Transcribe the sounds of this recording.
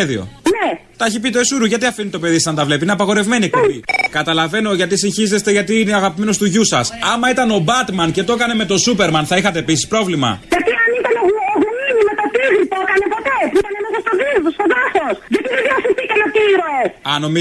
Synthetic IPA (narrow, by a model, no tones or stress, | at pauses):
eðḭo̞̰net̪ɐeçip̬it̪̬esuɾuʝɐt̪iɐfinit̪o̞pe̞ðisɐsɐnt̪ɐvle̞piineɐpɐɣo̞ɾe̞vme̞niekuikɐt̪ɐlɐve̞no̞ʝɐt̪̬isinçize̞st̪eʝɐt̪iineɐɣɐpime̞no̞st̪uʝusɐsɐmɐit̪ɐno̞bɐt̪mɐnce̞t̪o̞kɐne̞me̞t̪o̞supe̞ɾmɐnθɐixɐt̪e̞ːpisi̥spɾo̞vlimɐ̰ʝɐt̪iɐnit̪ɐnooɣuminimet̪ot̪iɣɾit̪okɐnepot̪e̞pit̪ɐnemesɐst̪oðiðost̪oðɐθosʝɐt̪iðeðiɐɐθitikɐnot̪iɾosɐno̞mi